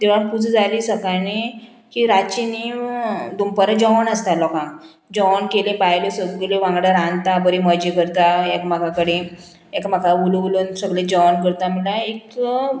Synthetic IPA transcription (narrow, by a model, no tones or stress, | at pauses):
d̪eʋaɳpud͡zd͡zaliːsəkane | kiɾat͡ɕinid̪umpəɾad͡ʑɔnəst̪alɔkã | d͡ʑɔnkelẽbajlesəɡkeleʋãŋɡɽaɾãnt̪abəɾiməd͡ʑikəɾt̪aekmakakəɽe | ekmakaululunsəɡlẽd͡ʑɔnkəɾt̪amilaek